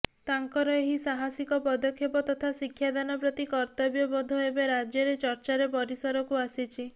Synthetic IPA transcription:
t̪aŋkɔɾɔeɦisaɦasikɔpɔd̪ɔkʰːjɔpɔt̪ɔt̪ʰasikʰjad̪anɔpɾɔt̪ikɔɾt̪ɔbjɔbɔd̪ʱɔɦebeɾad͡ʒjɔɾet͡ʃɔɾt͡ʃaɾepɔɾisɔɾɔkuasit͡ʃʰi

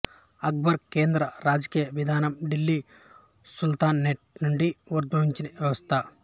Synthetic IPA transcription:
ɐɡ̚bɐɾkeːnd̪ɾɐɾaːd͡ʒɐkiːjɐʋid̪ʱaːnɐmɖilːi | sult̪aːnːeʈ̚nuɳɖiʋɐɾd̪ɐʋiɲt͡ʃineʋjɐʋɐst̪ʰɐ

